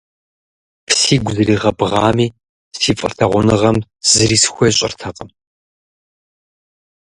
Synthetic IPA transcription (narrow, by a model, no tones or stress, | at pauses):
pʰsiːɡʷʊzɨɾiːʁɐbʁɑːmiː | siːfʼɨ̰rtʰɐʁʷʊnɨʁɐmz̥ɨɾiːsxʷɔjɕʼɪ̰rtʰɐqʼəm